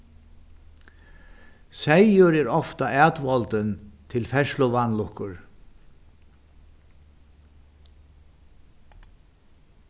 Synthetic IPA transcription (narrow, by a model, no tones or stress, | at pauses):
sɛjʊɾɛɾɔft̪aæːt̪ʋɔlt̪ənt̪ʰɪlfɛʃlʊʋanlʊhkʊɹ